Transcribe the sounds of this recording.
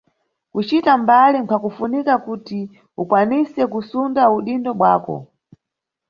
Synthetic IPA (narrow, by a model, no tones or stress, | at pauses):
kut͡ʃitambalimkʰakufunikakuti | ukwanisɛkusundauɗindɔɓwaːkɔ̰